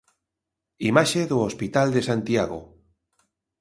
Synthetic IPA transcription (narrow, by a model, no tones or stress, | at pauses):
imaʃeðoospit̪ald̪esant̪iaɣ̞o̰